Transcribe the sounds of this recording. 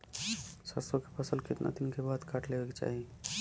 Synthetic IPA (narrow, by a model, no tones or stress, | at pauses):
səsokepʰəsəlkɪt̪nʔa̰t̪inkebad̪kaʈlebeket͡ʃa̰ɦi